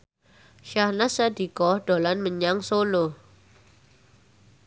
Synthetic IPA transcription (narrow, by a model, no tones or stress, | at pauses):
ʃahnasad̪ikɔhd̥olanməɲaŋsolo